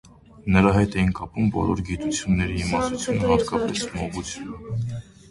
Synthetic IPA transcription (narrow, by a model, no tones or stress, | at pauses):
nəɾɑɦɛjt̪ɛjinkɑpumbɔ̰lɔ̰ɾɡit̪ut͡sʰjunːɛɾiimɑst̪ut͡sʰjunəhɑt̪kɑpɛsmɔʁut͡sʰjunə